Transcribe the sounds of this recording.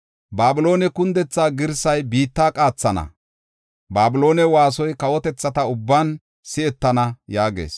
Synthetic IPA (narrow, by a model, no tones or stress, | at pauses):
baːbɪlo̞ːnɛkʊnd̪ɛt͡sːaːɡɪɾsɐjbiːt̪ːaːkʼaːt͡sːɐnɐ̰ | baːbɪlo̞ːnɛwaːs̬ɔjkɐwɔt̪ɛt͡sːɐt̪ɐʊbːaːn | sɪɛt̪ːɐnɐjaːɡḛːs